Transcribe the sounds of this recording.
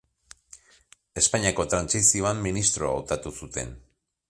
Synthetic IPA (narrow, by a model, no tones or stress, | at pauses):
e̞spaɲiako̞t̪ɾansisio̞amːinist̪ɾo̞a̰wt̪at̪usut̪e̞̰n